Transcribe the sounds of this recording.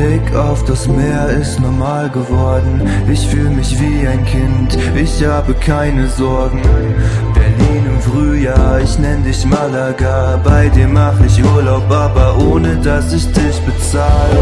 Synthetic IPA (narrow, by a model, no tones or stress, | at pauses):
b̥ekʰaʊfd̥asmeːɐɪstnɔɐmaːlɡəvɔɐdn̩ | ʔɪçfyːlmɪçv̥iːaɪnkʰɪnt | ʔɪçhaːbəkʰaɪnəzɔɐɡŋ̩ | b̥ɛɐliːnɪmfʁ̥yːjaːɐɪçnɛnədɪçmalaɡa | b̥aɪdiːɐmːaχəɪçʔuːɐlaʊpʔaːbɐʔoːnədasɪçd̥ɪçb̥ət͡s | aːlə